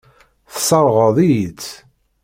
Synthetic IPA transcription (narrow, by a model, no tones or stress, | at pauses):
θsˤɑɾˤʁəðˤijt͡sː